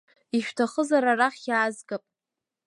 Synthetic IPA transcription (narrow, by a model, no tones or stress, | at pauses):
iʃᶣtʰaχəzaɾaraχʲaːzɡapʼ